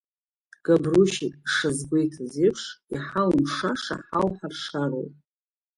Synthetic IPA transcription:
ɡ̥abruʃikʼʂazɡʷejtʰazipʰʂiħalmʂaʂa̰ħawħarʂaɾo̰wpʼ

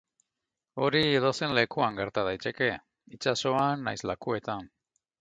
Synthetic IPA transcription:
o̞ɾie̞ðose̞nle̞kuaŋɡe̞ɾt̪aðajt̪e̞ke̞ | it͡ʃaso̞anːajzlakue̞t̪an

